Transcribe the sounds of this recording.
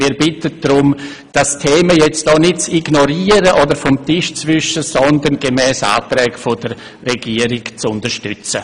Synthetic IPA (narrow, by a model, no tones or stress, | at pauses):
miːɾbɪtəd̥ɾʊm | d̥astʰeːməjɛt͡std̥ɔːnɪt̚t͡siɡnoɾiːəɾəʔodəɾfɔmtɪʃt͡svʏʃəsɔndənɡemɛːsa̰ːtɾɛːɡfodəɾː | ɛɡ̥iːəɾɪkt͡sʊntəʃtʏt͡sə